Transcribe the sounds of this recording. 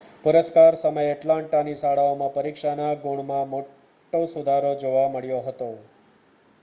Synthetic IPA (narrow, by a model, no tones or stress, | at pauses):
puɾəskaɾsəməjəʈlãɳʈanisaɭaomãpəɾikʃanaɡuɽmãmo | ʈːosud̪ʱaɾod͡ʒoʋaməɭjoɦət̪o